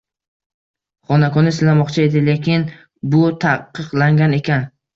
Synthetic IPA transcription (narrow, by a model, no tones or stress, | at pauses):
χɒnakɒnɪsɪlamɒqt͡ʃʰae̞d̪ɪlekʲɪn | bʊt̪ʰaqʰːɨqlˠaŋɡʲane̞kʲʰan